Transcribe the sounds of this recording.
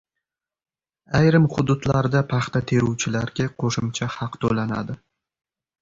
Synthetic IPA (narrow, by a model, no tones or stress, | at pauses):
ajɾɪmχʊd̪ʊd̪laɾd̪apʰɑχt̪at̪ʰe̞ɾʊwt͡ʃʰɪlaɾɡʲaqʰoʃɪmt͡ʃʰahɑqt̪ʰolana̰d̪ɪ